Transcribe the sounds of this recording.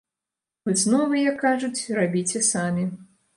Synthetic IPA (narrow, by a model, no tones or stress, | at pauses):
vɔzʲnɔvɨjɐkːaʐut͡sʲrabʲit͡sʲɛsamʲi